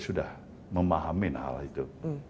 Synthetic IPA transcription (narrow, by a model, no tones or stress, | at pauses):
sudah | məmaɦamɪnha̰lit̪u